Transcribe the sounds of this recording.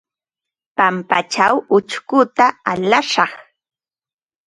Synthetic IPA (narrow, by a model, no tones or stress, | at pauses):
pampat͡ʃawʊt͡ʃkʊt̪aalaʃɑχ